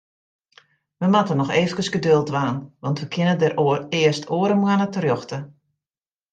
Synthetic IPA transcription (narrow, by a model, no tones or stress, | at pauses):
ʋəmatənɔxeːfəkəsɡədølˠtʋaːnʋɑntʋəkʰɪnədəɾɪəstʰoːəɾəmwanətərjɔxtə